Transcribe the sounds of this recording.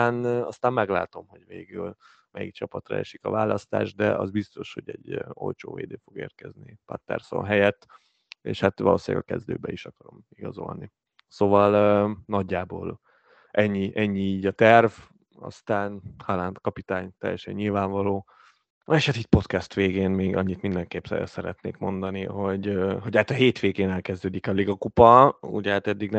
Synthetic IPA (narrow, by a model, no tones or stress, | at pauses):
nɒst̪aːmmɛɡla̰ːt̪o̞mɦo̞ɟveːɡyl | mɛjik̚t͡ʃɒpɒt̪rɒ̰ɛʃikɒvaːlɒst̪a̰ːʒd̪ɛʔɒzbist̪o̞ʃho̞ɟɛɟːo̞̰lt͡ʃoːvḛːd̪eːfo̞ɡeːrkɛznipɒ̰t̪ːɛ̰rso̰nɦɛjɛt̪ː | eːʃhat̪ʋɒloːsja̰ːɡɒkɛzd̪øːbɛiʃɒkɒɾo̞miɡɒzo̞̰lni | soːvɒlønɒɟːaːboːl | ʔɛɲːiʔɛɲːiiːɟɒt̪ɛrv | ɒ̰st̪aːnhalaːnt̪kɒpit̪aːɲt̪ɛ̰jɛ̰ʃɛ̰ɲːilvaːɱvɒloː | eːʃhat̪it̪̚po̞t̪kɛst̪ʋeːɡeːnmeːɡɒɲːit̪mind̪ɛŋkeːpsɛ̰ɛ̰sɛɾɛt̪neːkmo̞nd̪ɒniɦo̞ɟøɦo̞ɟaːt̪ɒɦeːt̪ʋeːɡeːnɛlkɛzd̪øːd̪ikɒliɡɒkupɒṵɟhaːt̪ɛd̪ːiɡn